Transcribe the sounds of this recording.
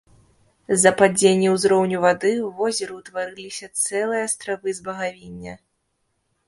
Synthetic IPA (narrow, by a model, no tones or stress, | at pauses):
zɐpad͡zʲenʲːɛwzɾɔwnʲuvad̪ɨwvɔzʲɛɾut̪vaɾɨlʲisʲɐt̪sɛlˠɨjɐːst̪ɾavɨzbɐɣavʲinʲːɐ̰